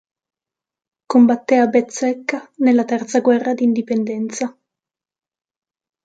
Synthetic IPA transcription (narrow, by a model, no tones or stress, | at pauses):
kombat̪ːeabet̪sːɛkːanelːat̪ɛrt̪saɡwɛrːad̪iːnd̪ipend̪ɛnt̪sa